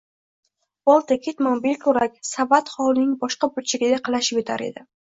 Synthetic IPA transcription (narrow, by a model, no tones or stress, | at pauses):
bɒlˠt̪ʰakʲʰet̪maŋbelʲkʰʲɵɾakʲsavat̪χɒwlˠnɪŋbɒʃqɑbʊlt͡ʃʰaɡʲɪd̪aqʰɑlˠaʃɪpet̪ʰa̰ɾe̞̰d̪ɪ